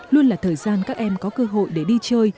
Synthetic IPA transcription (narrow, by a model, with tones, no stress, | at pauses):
lu˧ənlaː˨˩t̪ʰəː˨˩jzaː˧nkaː˦˥k̚ʔɛ˧mkɔ˨˦kəː˧ɦo̰˧˨jɗe˧˩ɗi˧t͡ɕəː˧j